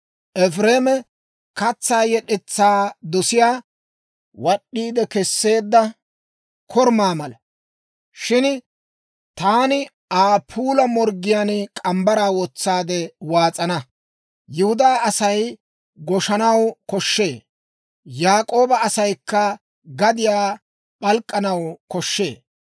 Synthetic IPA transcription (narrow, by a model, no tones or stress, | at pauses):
ʔɛfɾeːmɛ | kɐt͡sːaːjɛɗɛt͡sːaːd̪ɔsɪjaː | wɐɗːiːd̪ɛkɛsːe̞ːd̪ːɐ | kʰɔɾmaːmɐlɐ | ʃɪn | t̪aːnɪ | aːpʰuːlɐmɔɾɡɪjaːnkʼɐmbɐɾaːwɔt͡sːaːd̪ɛwaːt͡sʼɐnɐ | jʊhʊd̪aːɐsɐj | ɡɔʃɐnɐwkɔʃːe̞ː | jaːkʼo̞ːbɐːsɐjkːɐ | ɡɐd̪ɪjaː | ɓʼɐlkʼːɐnɐwkɔʃːe̞ː